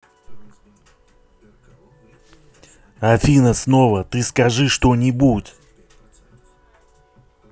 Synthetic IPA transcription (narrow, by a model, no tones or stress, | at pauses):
ɐfʲinəsnovət̪ɨskɐʐɨʂt̪onʲɪbutʲ